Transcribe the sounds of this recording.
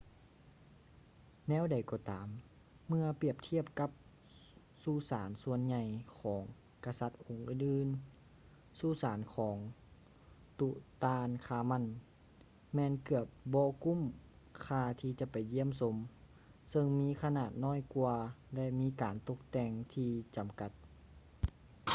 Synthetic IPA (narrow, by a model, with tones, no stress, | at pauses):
nɛː˧˥˨wda˨˩jkɔː˧˩t̪aː˨˦mː | ɯ˧ɐpi˧˩əp̚t̪ʰi˧˥˨əp̚ka˧˦p̚ | suː˧˩saː˨˦nsu˧ənɲa˧˩jkʰɔː˩˦ŋ | ka˧sa˧˦t̪̚ho˨˦ŋʔɯː˧˨nʔɯː˧˨n | suː˧˩˨saː˨˦nkʰɔː˩˦ŋ | t̪u˧ʔt̪aː˧nkʰaː˧˩ma˧˥˨n | mɛː˧˨nkɯ˧˩əp̚bɔː˧ku˧˥˨m | kʰaː˧t̪ʰiː˧t͡ɕa˧ʔpa˨˩jːi˧˥ə˨ms̬o˧˦m | sɤ˧ŋmiː˧˥˨kʰa˧naː˧˩t̪̚nɔː˧˥˨jku˧ɐlɛ˧ʔmiː˧˥˨kaː˨nt̪o˧˦k̚t̪ɛː˧ŋt̪ʰiː˧t͡ɕa˨mka˧˦t̪̚